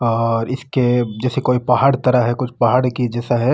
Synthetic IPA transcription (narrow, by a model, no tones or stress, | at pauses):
ɔːɾɪsked͡ʒɛːsekoːipɐɦaːɽt̪ɐɾaɦɦɛkʊt͡ʃʰpɐɦaːɽkid͡ʒɛːsaɦɛ